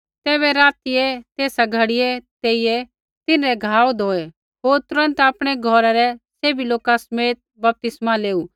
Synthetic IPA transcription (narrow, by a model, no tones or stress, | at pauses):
t̪eːβɛɾaːt̪iɛt̪eːsaɡʱɐɽɪjɛt̪eːijɛ | t̪ɪnɾɛɡʱaːod̪ʱoːɛ | ɦoːɾt̪ʊɾə̃nt̪aːpɽ̃ɛɡʱɔɾaɾɛseːbiloːkasɐmeːt̪̚bɐp̚t̪ɪsmaleːuː